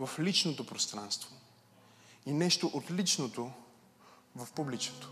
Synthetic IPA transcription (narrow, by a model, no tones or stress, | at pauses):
vɐflit͡ʃnot̪opɾost̪ɾanst̪vo | inɛʃt̪oʔot̪lit͡ʃnot̪o | vɐfpublit͡ʃ̪o̥t̪o̥